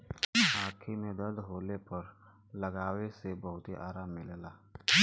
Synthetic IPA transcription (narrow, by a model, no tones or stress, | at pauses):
ɦaːkʰimẽd̪ɐɾd̪ɦoːlepɐɾ | lɐɡaːwesebɐɦʊt̪ɦiʔaːɾaːmːɪlelaː